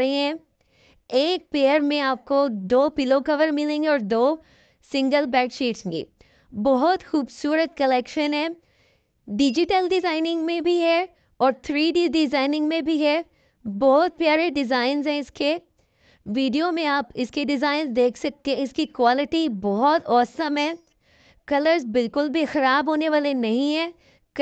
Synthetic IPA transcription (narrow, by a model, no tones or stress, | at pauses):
ɦẽɦɛ̃ | eːk̚peːəɾmẽaːp̚kod̪oːpɪlokɐʋəɾmɪlẽːŋɡeɔːɾd̪oː | sɪ̃ŋɡəlbɛːkt͡ʃiːʈẽɡḭː | bɔɦɔt̪xuːbsuːɾət̪̚kɐlɛːkʃənɦɛ̃ | ɖɪd͡ʒɪʈəlɖɪzaːɪnɪ̃ŋɡmẽbʱiɦɛ | ɔːɾt̪ʰɾiːɖiɖɪzaːɪnɪ̃ŋɡmẽbʱiɦɛ | bɔɦɔt̪̚pjaːɾeɖɪzaːɪnzɦɛ̃ɪske | ʋiːɖijomẽaːpɪskeɖɪzaːɪnzd̪eːkʰsɐk̚t̪eɦẽɪskikwaːlɪʈibɔɦɔt̪ɔːsəmɦɛ̃ː | kɐləɾzbɪlkʊlbʱixɐɾaːbʱɦoːneʋaːlenɐɦĩɦɛ̃ː | k